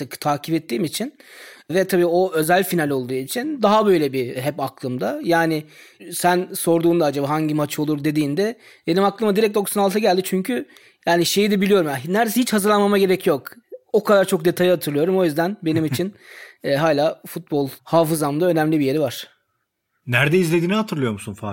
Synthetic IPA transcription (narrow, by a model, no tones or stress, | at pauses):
t̪ɯkt̪ʰaːcʰipɛt̪ːiːmit͡ʃʰinvɛt̪ʰabiːo̞ø̞zælʲfinalʲo̞lˠd̪uːit͡ʃʰind̪aɦabø̞jlʲɛbiɦɛpaklˠɯmd̪ajaːnɪ | sænso̞ɾd̪uːmd̪aad͡ʒabaːɦaɲɟimat͡ʃo̞lˠuɾd̪e̞d̪iːnd̪ɛ | b̥enimaklˠɯmad̪iɾɛc̚t̪d̪o̞ksanalˠt̪ʰaɟælʲd̪it͡ʃʰyɲcʰy | jaːniʃe̞jid̪ɛbilʲijo̞ɾumjanæɾd̪es̬ihit͡ʃhazɯɾlˠanmamaɟe̞ɾɛcjo̞ko̞kʰad̪aɾt͡ʃʰo̞k̚d̪e̞t̪ʰajihat̪ʰɯɾlˠɯjo̞ɾumo̞jyzd̪ænbe̞nimit͡ʃʰinɛɦaːlʲaːfut̪̚bo̞lˠhaːfɯzamd̪aø̞næmlʲibijeɾivaɾ̥ | næɾd̪ɛizlʲed̪iːnihat̪ʰɯɾlˠɯjo̞ɾmusunfa